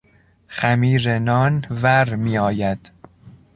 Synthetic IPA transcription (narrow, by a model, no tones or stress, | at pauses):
xæmiːɾenɒːnvæɾmiːɒːjæd̪̥